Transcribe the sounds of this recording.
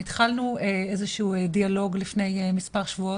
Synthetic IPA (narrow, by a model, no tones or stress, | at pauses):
it̪χalnueezeʃuːedialo̞ɡlifne̞jemispaʁʃvuo